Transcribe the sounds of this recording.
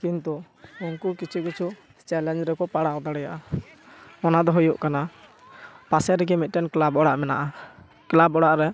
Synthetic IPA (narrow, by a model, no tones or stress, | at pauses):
kint̪u | unkukit͡ʃʰukit͡ʃʰu | st͡ʃɛlɛnd͡ʒɾɛkɔpaɽaɔ̃d̪aɽɛjaʔa | ɔnad̪ɔɦujuʔkana | pasɛɾɛɡɛmit̪̚ˀʈɛnklabɔɽaʔmɛnaʔa | klabɔɽaʔɾɛ